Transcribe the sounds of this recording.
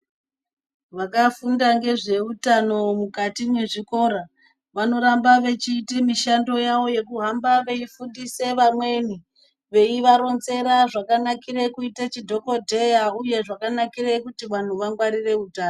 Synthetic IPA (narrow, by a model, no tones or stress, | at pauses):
ʋakafundaŋɡe̞ʐe̞utano̞mukatineʐiko̞ːɾa | ʋano̞ɾambaʋe̞t͡ʃiːtimiʃando̞jaʋo̞je̞kuɦambaʋe̞ifundise̞ʋamwe̞ni | ʋe̞iʋaɾo̞nze̞ɾaʐakanakirekuitat͡ʃidʱo̞ko̞dʱe̞jauje̞ʐakanakirekutiʋan̤uʋaŋɡwaɾire̞utaːno